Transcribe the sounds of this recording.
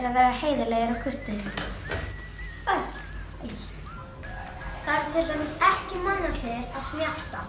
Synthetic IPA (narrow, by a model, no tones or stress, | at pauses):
ɾaðvɛːɾaheːjðɪleːjaɾawkʰʏr̥t̪ɪs | sal | l | θaɾ̥t̪ʰɪlt̪ajmɪsɛhcɪmanːasjɛɾaðsmjal̥t̪a